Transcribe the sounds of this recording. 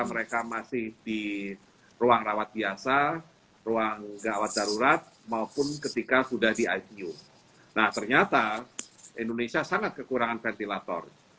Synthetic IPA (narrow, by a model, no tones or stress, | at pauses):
aməɾekamasɪhdi | ruaŋrawat̪̚biasa | roaŋɡawat̪̚daɾuɾat̪̚ | maupʊnkət̪ikasudahdiajt̪iu | naht̪ərɲat̪a | indonesiasaŋat̪̚kəkuɾaŋanfɛnt̪ilat̪ɔ̰r